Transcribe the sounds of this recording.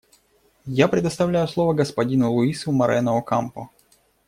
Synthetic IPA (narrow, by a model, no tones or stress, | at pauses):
japɾʲɪd̪əst̪ɐvlʲæjʊslˠovəɡəspɐdʲinʊlˠʊisʊmɐɾʔɛnəokampʊ̰